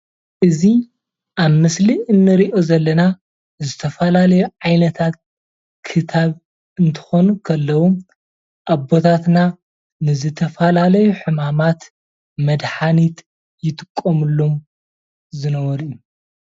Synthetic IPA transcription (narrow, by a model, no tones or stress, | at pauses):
ʔɨzi | ʔaβmɨsliɨnːɨɾiʔo̞zɐlːɐna | zɨt̪ʰɐfɐlalɐjuʕajnɐt̪ʰat̪̚ | kʰɨt̪ʰaβ | ɨnt̪ʰɨ̥xo̞nukʰɐlːɐwu | ʔabo̞t̪ʰat̪na | nɨzɨt̪ʰɐfalalɐjuħɨmamat̪ | mɐd̪ħanit̪ʼ | jɪt̪ʼɨkʼːomɨlːom | zɨnɐwɔɾɨjːu